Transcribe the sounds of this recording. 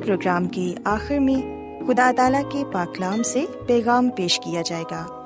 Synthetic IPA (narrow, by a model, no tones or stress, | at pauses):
pɾoːɡɾaːmkeaːxɪɾmẽ | xʊd̪aːt̪aːlakepaːklaːmsepɛːɣaːmpeːʃkijad͡ʒaːeːɡaː